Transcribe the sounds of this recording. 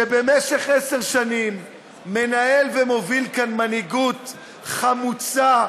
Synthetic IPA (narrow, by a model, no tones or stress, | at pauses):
ʃebe̞meʃe̞χese̞ʁʃanimː | e̞nae̞lvemovilkanmaniɡut̪ | χamut͡sa